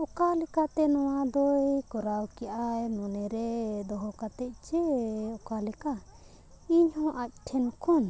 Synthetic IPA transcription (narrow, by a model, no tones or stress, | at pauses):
ɔkalɛkat̪ɛnɔwad̪ɔjkɔɾawkijʔajmɔnɛɾɛd̪ɔɦɔkat̪ɛc̪̚ˀt͡ʃɛɔkalɛka | iɲhɔ̃ʔac̪̚ˀʈʰɛnɔkʰɔn